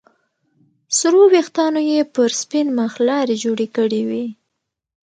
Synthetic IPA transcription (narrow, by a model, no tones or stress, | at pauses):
sɾowext̪ɑnojepəɾspinmaxlɑɾed͡ʒoɽekəɽiwi